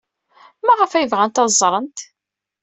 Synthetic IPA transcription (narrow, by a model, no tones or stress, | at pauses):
mæʁəfæjəvʁænt̪ɑzˤːɾˤənt̪